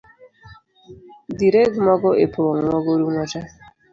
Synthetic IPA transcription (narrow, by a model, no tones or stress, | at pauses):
diɾɛɡmɔɡɔepʰoŋʷɔɡoɾuŋʷɔta